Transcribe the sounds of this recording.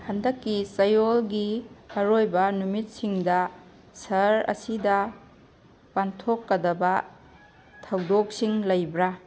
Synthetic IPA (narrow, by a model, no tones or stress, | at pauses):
hɐndɐkːisɐjolɡiɐɾojbɐnumit̚siŋdɐ | sɐɾɐ̰sidɐ | pantʰokːɐdɐbɐ | tʰɐwdok̚siŋlɐjbɾa